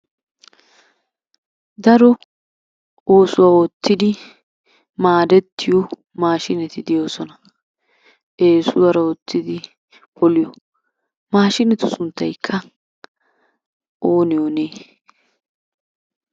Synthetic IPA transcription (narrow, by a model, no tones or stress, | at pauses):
d̪ɐɾɔ | oːsʊwaːɔt̪ːɪd̪ɪ | maːd̪ɛt̪ːɪjɔ | maːʃɪnɛt̪ɪd̪ɪjo̞ːsɔnɐ | ʔeːsʊd̪ɐɾɐɔt̪ʰːɪd̪ɪ | bɔlɪjɔ | maːʃɪnɛt̪ʊsʊnt̪ːɐjkʰːɐ | ʔoːnɪjoneː